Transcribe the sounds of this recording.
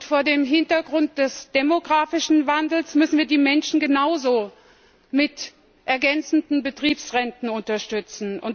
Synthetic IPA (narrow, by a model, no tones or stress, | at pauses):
tfoːɐdeːmɦɪntɐɡʁʊnt̚d̥ɛsd̥emoɡʁaːfɪʃn̩vandl̩smʏsn̩viːɐdiːmɛnʃn̩ɡənaʊzoː | mɪt | ʔɛɐɡɛnt͡sn̩dn̩bətʁ̥iːpsʁɛntn̩ʊntɐʃtʏt͡sn̩ʊ̰n